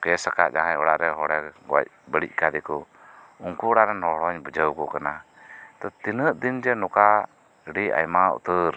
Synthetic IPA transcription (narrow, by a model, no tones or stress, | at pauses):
kɛsaka̰ʔd͡ʒaɦajɔɽaʔɾɛɦɔɽɛɡɔa̰c̚bəɽḭc̚ˀkad̪ɛkɔ | uŋkuɔɽaʔɾɛnɔɽɔɲbəd͡ʒəwkɔkana | t̪ɔt̪inəʔd̪ind͡ʒɛnɔka | ɽia̰jmaṵt̪əɾ